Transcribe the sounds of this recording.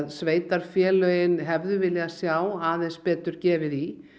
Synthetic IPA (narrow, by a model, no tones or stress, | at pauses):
ðsveːjt̪aɾ̥fjɛːlœːjɪnɦɛvðʏvɪlːɛɣasjaːwaːðenspɛːt̪ʏɾ̥cɛːvɪði